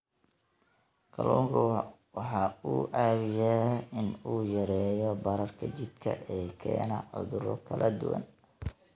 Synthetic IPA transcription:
kʰɐlɔːŋkʰʊ | wħɑuːʔaːβɪjaɪnuːjɐɾɛːjɔbɐɾɐrkʰɐt͡ʃɪd̪kʰɐ̰ʔɛːkʰɛ̰ːnɐʕʊ̰ðʊɾɔ̰kʰɐlʔɐd̪ʊwɐ̰n

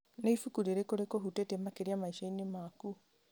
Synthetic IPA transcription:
neifukuɾeɾekoɾekoɦutetemakeɾiamaiʃainemaku

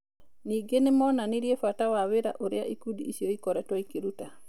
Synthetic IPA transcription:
niɡenemɔnaniɾjefatawaweɾa̰ʔoɾea̰ʔikudiːsoikɔɾɛtwaikeɾuta

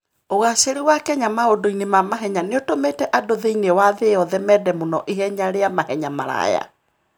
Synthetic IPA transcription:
oɣaɕeɾiwakɛɲamaodoinemamaɦɛɲaneotometɛʔadoðeinewaðeɔðɛmɛdɛmonɔʔihɛɲaɾeamahɛɲama̰ɾa̰ja̰

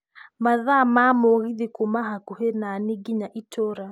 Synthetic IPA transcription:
maðaːmamoɣiðikumaɦakuhenaniɡiɲaʔitoɾa

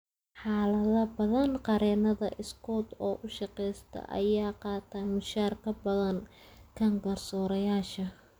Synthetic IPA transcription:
ħɑːlɐðɐbɐðɐnqɑɾɛːnɐðɐʔɪskʰɔːd̪ɔːʔʊʃɑqɛjst̪ʰɐ̰ʔɐ̰jaːqɑːt̪ʰɐmɪʃaːrkʰɐbɐðɐn | kʰɐŋɡɐrsɔːɾɐjaːʃɐ

